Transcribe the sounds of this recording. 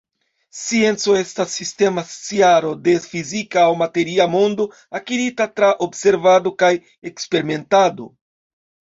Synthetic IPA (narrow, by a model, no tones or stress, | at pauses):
sie̞nt͡so̞e̞stasːiste̞mast͡siaɾo̞de̞fizikaːwmate̞ɾiamo̞ndo̞ | akiɾitatɾaʔo̞bse̞ɾvado̞kaj | e̞kspe̞ɾime̞ntado̞̰